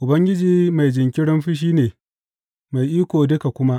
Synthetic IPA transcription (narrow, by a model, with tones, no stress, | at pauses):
ʔʊ˨bɐ˦ŋɡʲɪ˦d͡ʒiː˨ma˨jd͡ʒɪ˨ŋkʲɪ˦ɽɪ˦mɸɪ˦ʃ̬iː˦neː˨ | ma˨jʔiː˦kʷoː˨dʊ˦ka˨kʷʊ˦ma˦ʔ